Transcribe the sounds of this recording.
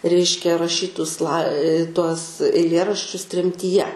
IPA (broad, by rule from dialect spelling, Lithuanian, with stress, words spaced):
ˈrʲɛɪʃʲkʲɛ rɐˈʃʲiːtʊs lˠɐɪ tuɔs ɛɪˈlʲeːrɐʃʲt͡ʃʲʊs tʲrʲɛmʲtʲiːˈjɛ